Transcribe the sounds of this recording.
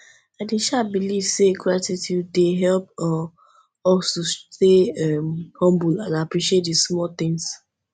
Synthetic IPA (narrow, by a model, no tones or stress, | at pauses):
aɪdẽʃabiliv̥seɡɹatitʰjud̚ːeɦɛlpɔ | ɔstusteɛmhɔ̃mbulãnapɹiʃiet̚dismɔlt̪ɪ̃ŋs